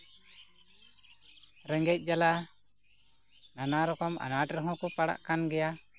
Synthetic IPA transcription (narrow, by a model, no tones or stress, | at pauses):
ɾəŋɡɛc̚ˀd͡ʒala | nanaɾɔkɔma̰naʈɾɔɦɔ̃kɔpaɽa̰ʔkanɡɛja